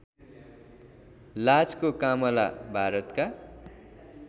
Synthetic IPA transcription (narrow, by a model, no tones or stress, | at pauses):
lat͡skokamʌla̰bʱaɾʌt̪ka